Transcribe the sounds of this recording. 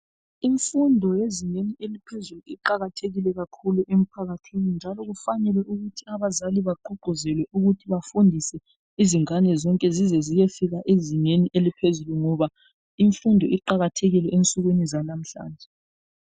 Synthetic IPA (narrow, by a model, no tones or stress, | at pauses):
iɱfundʱɔjeziɲenielipʰezuluiǃaɣatʰeɣilɛɣakʰuluʔem̩pʰaɣatʰinind͡ʒʱalɔɣufanɛlɛʔuɣutʰiaβazaliβaǃuɡ͡ǃʱuzɛlwɛʔuɣutʰiβafundʱisɛ | iziŋanɛzɔŋkʼɛzizɛzijefiɣaʔeziɲeniʔelipʰezuluŋɔβa | iɱfundʱɔʔiǃaɣatʰeɣilɛent͡sʼuɣwinizanam̩ɬa̰ːnd͡ʒʱɛ